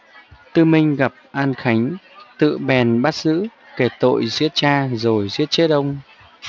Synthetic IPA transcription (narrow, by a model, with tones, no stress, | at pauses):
t̪ɨ˧mï˧ŋ̟ɣa˨˩p̚ʔaː˧nxa˨˦jŋ̟t̪ɨ̰˧˨ɓɛ˨˩nɓaː˦˥t̚z̥ɨ̰˧˥ | ke˧˩t̪o̰˧˨jzi˦˥ət̚t͡ɕaː˧zo˨˩jzi˦˥ət̚t͡ɕe˦˥t̚ɗə˧wŋ͡m